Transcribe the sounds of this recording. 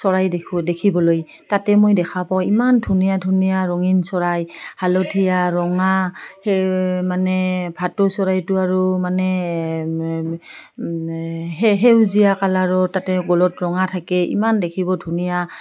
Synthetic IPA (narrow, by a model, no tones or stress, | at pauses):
sɔɹajdekʰibɔloj | tatɛmojdɛkʰapaw̃imandʱunijadʱunijaɹɔŋinsɔɹajhalotʰijaɹɔŋahɛmanɛbʱatʊsɔɹajtʊaɹumanɛ | ɦɛɦewzijakalaɹɔtatɛɡɔlɔtɹɔŋatʰakɛʔḭmandekʰibɔdʱunija